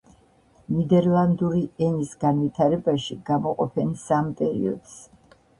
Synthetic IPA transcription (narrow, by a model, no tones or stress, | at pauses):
nid̪ɛɾlˠand̪uɾiɛnisɡanvit̪ʰaɾɛbaʃiɡ̥amɔqʼɔpʰɛnsampʼɛɾḭɔ̰d̪̥s